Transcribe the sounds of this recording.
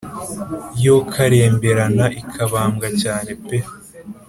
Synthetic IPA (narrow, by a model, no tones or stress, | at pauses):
jo̞kʰaɾe̞ːmbe̞ɾanaʔikʰaβaːmɡacaːne̞pe